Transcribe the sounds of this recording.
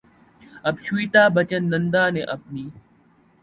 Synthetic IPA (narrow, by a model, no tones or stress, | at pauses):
ɐbɕuit̪aːbɐt͡ɕənːɐnd̪aːneʔɐp̚niː